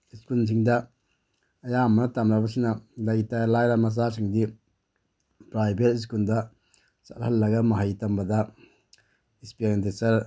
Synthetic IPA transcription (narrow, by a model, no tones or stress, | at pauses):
iskuls̬iŋdɐ | ɐjamɐnɐtamɾabɐsinɐlɐɡitajlajɾamɐzasiŋdi | pɾajbʱetis̬kuldɐ | sathɐlːɐɡɐmɐɦajtɐmbɐdɐ | ispeɾentesɐɾ